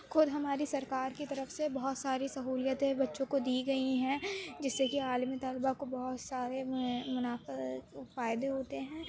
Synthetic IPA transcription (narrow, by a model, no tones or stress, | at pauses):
xʰʊd̪ɦɐmaːɾisɐɾkaːɾkit̪ɐɾəfsebɐɦʊt̪saːɾisɐɦuːljət̪ẽbɐtːʃõkod̪iːɡɐiɦɛ̃ːd͡ʒɪsːekiaːlmit̪aːlbakobɐɦʊt̪saːɾemʊnaːffaːɪd̪eɦoːt̪eɦɛ̃ː